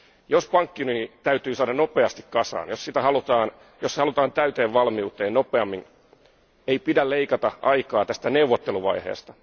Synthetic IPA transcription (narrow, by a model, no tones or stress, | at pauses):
jospɑŋkːinyit̪æyt̪yːsɑːdɑnno̞peɑst̪ikkɑsɑ̰ːnjossit̪æhɑlut̪ɑːn | joshɑlut̪ɑːnt̪æyt̪eːʋʋɑlmiut̪eːnnopeɑmːin | eipidæleikɑt̪ɑʔɑikɑːt̪æst̪æneuʋːot̪ːeluʋɑ̰ihḛːst̪ɑ̥